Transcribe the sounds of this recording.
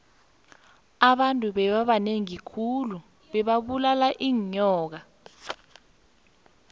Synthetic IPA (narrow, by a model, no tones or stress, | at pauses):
aɓantʼuɓɛɓaɓaneŋikʰulu | ɓɛɓaɓulalaʔiːɲɔːk̬a